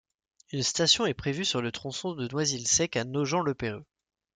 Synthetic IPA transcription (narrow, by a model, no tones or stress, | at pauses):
ynst̪asjɔ̃ɛpχevysyʁlət̪χɔ̃sɔ̃d̪ənwazilsɛkanoʒɑ̃lopeʁø